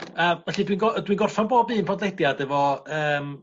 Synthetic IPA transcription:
əːvɛɬidwinɡɔdwinɡɔrfaɔnboːbiːnpʰɔdledjadɛvɔəːm

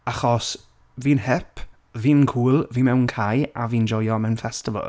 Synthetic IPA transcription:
aχɔs | viːnhɛpʰ | viːnkʰuːlˠviːmɛwnkʰajaviːnd͡ʒɔjɔmɛnfɛstɪvə̰lˠ

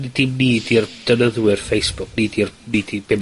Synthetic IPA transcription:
nd̥ɪmniːdird̥ənəðwɪrfejsb̥ʊk̚niːdirniːdibɪm

